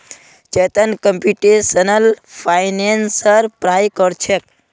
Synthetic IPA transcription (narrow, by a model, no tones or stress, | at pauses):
t͡ʃet̪ənkəmpuʈesənəlpʰajnensəɾpɾaːjkəɾt͡ʃʰek̚